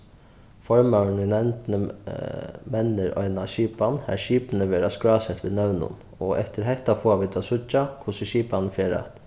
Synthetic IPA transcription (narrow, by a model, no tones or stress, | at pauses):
fɔɹmɑʉɳɪnɛnt̪nə | mɛnəɾɔ̰ʏnaɕiːpɑnhæ̰ːɾʃiːpn̩əʋeːɾaskɹɑːsɛt̪ʋɪːnœʉnʊ̰n | oːʔɛ̰t̪əɾɦɛht̪afoːaʋɪt̪ʰɑsʊt͡ʃakʰʊsəɕiːpɑnfjeːɾɑ̰t̪